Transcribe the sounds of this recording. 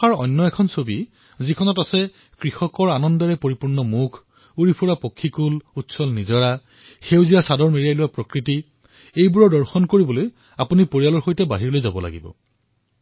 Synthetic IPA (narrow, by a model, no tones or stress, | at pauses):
aɹɔ̰nːɔɛkʰɔnsobi | zikʰɔnɔtasɛ | kɹixɔkɔɹanɔndɔɹɛpoɹipuɹnɔmukʰ | uɹipʰuɹapokʰːikulutsɔlnizɔɹa | xewziasadɔɹmeɹijajlʊwapɹɔkɹiti | ejbuɹɔdɔɹxɔnkoɹibɔloj | apunipoɹijalɔɹxojtɛba̰ɦiɹlojzabɔla̰ɡḭbɔ̰